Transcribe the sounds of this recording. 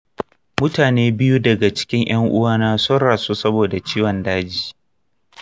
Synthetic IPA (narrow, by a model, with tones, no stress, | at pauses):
mʊ˦taː˨neː˦bɪ˦ju˦dɐ˨ɡa˨t͡ʃɪ̥˦kʲɪ˦ŋj̰ʔɐ˦ŋʔʊ˦waː˦naː˦so˦ɽaː˨su˦sɐ˦boː˨da˨t͡ʃiː˦wɐ˨ndaː˦d͡ʒiː˨